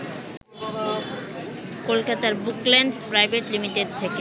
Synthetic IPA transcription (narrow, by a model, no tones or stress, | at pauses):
kolkat̪aɾbukleɳɖpɾajbeʈlimiʈeɖ̚t̪ʰeke